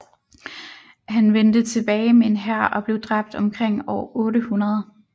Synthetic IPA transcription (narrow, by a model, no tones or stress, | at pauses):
hænʋend̥ət͡sʰe̝b̥ɛːɪmee̝nɦæɐ̰ʔɒ̽b̥le̝ʊd̥ʁɑ̈b̥̚d̥ɒ̽mkʰʁeŋ̰ɒʊɔ̽ːɾəhunɐð̞ˠ